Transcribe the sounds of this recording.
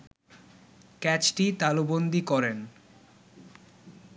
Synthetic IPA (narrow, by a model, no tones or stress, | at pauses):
kɛt͡ɕʈit̪alubond̪ikɔɾen